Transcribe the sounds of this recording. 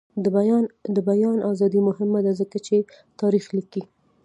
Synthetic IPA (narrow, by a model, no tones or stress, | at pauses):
nd̪əbajɑnʔazɑd̪imʊɦɪmad̪azəkat͡ʃe | t̪ɑɾixliki